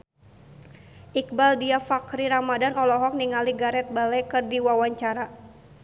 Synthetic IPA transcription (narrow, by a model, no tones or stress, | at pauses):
ʔik̚baldiafakɾiɾamadanɔlɔɦɔk̚niŋaliɡaɾɛt̪̚balɛkɨrdiwawaɲt͡ʃaɾa